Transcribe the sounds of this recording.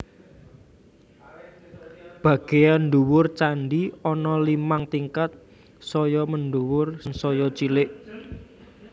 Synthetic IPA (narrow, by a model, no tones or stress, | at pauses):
b̥ä̤ɡ̥e̤janɖuwʊrt͡ʃaɳɖiɔnɔlimaŋt̪iŋkat̪̚ | sɔjɔmənɖuwʊrnsɔjɔt͡ʃilɪʔ